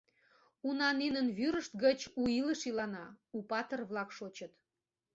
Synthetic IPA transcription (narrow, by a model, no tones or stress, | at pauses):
unɑninənβyɾəʃt̪ɡət͡ɕuiləʃilɑnɑupɑt̪ərβlɑkʃot͡ɕət̪